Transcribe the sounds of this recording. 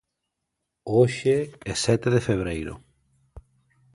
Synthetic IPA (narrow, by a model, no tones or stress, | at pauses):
oʃeɛsɛt̪eðefeβ̞ɾejɾʊ̰